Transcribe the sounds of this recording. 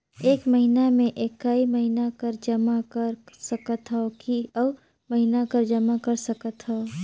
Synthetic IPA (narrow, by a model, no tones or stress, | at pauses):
eːkməɦinamẽʔeːkːaːiməɦinakəɾd͡ʒəmakəɾsəkət̪ɦɛokiə | məɦinakəɾd͡ʒɐmakɐɾsəkət̪ɦɛo